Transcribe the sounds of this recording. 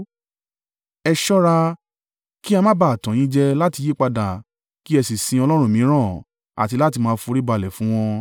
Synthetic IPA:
ɛ˧ʃɔ˦ɾa˧ | ki˦a˧mã˦ba˦˨tɔ̃˨ĩ˦d͡ʒɛ˦la˦ti˧je˦k͡pa˧da˨ | ki˦ɛ˧si˨sĩ˧ɔ˧lɔ˦ɾ̃ũ˦˨mĩ˨˦ɾ̃ã˦˨ | a̰˨ti˧la˦ti˧mãː˦fu˧ɾi˦ba˧˨lɛ˨fũ˦w̃ɔ̃˧

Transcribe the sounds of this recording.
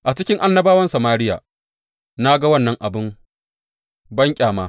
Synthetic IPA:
ʔa˨t͡ʃɪ˦kʲɪ˦ŋʔa˦nːɐ˦baː˦wɐ˦nsɐ˨maː˦ɾɪ˦ja̰ː˨ | na˦ɡa˦wɐ˦˨nːɐ˦ŋʔa˨bɪ˦m | bɐ˦ŋkʲʼaː˨maː˦

